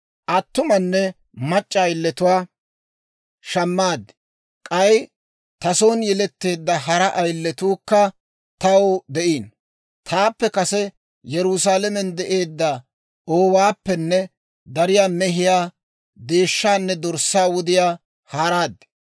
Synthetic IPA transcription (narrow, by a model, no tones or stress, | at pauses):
ʔɐt̪ːʊmɐnːɛ | mɐt͡ʃʼːɐːjlːɛt̪ʊwaː | ʃɐmːaːd̪ːɛ̥ | kʼɐj | t̪ɐsoːnjɛlɛt̪ːe̞ːd̪ːɐɦɐɾɐʔɐjlːɛt̪uːkːɐ | t̪ɐwd̪ɛʔiːn | t̪ʰaːpːɛkɐsɛ | jɛɾʊsaːlɐmɛnd̪ɛʔe̞ːd̪ːɐ | oːwaːpːɛnːɛ | d̪ɐɾɪjaːmɛɦɪjaː | d̪e̞ːʃːaːnːɛd̪ɔɾsaːwʊd̪ɪjaː | haːɾaːd̪ːɛ̥